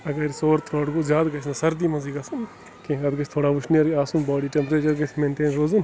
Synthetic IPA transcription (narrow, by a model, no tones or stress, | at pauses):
ɐɡɐɾsoːɾt̪ʰɾoːɽɡozʲjaːd̪ɡɐt͡ʃʰnasɐɾd̪iːmɐziːɡɐsɐn | kẽːɐd̪ɡɐt͡ʃʰt̪ʰoːɽaːʋʊʃniɐɾaːsunbɔːɽiːʈempɾeːt͡ʃɐɾɡɐt͡ʃʰment̪eːnɾoːzun